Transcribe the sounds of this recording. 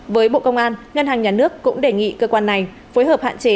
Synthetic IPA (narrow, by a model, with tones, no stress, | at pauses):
vəː˨˦jɓo̰˧˨kə˧wŋ͡mʔaː˧nŋə˧nhɦaː˨˩ŋɲaː˨˩nɨ˦˥əkːʊ̰˧˥ŋ͡mɗe˧˨˩ŋḭ˧˨kəː˧kwaː˧nːa˨˩j | fo˨˦jɦəː˨˩p̚ha̰ː˧˨nt͡ɕe˨˦